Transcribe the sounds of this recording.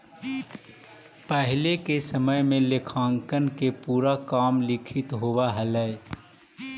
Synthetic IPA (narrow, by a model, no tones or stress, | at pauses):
pəɦɪlekesəməjmẽlekʰãːŋkənkepuːɾakaːmlɪkʰɪt̪ɦoːʋaɦələ